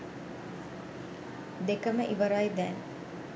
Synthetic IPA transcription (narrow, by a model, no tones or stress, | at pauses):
d̪ekəməʔiʋɐɾajd̪æːn